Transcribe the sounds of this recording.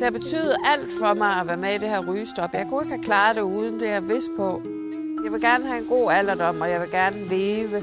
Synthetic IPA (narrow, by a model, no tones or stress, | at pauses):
d̥eb̥e̝t͡sʰy̰ːðˠɐʔæl̰d̥fɒ̽mɑ̈ɪæʋæɐmeid̥e̝hæɐʁyːsd̥ɒ̽b̥jɑ̈ɪkʰue̝ɡ̥əhækʰlɑ̈ːɾ̥e̝uːð̞ˠn̩d̥e̝jæʋe̝sd̥̚pʰɒ̽ | jɑ̈ɪʋe̝lɡ̥æɐnəɦæe̝nɡ̥o̝̰ːæl̰ɐd̥ɒ̽m̰ɒjɑ̈ɪʋe̝lɡ̥æɐnəle̝ːʋə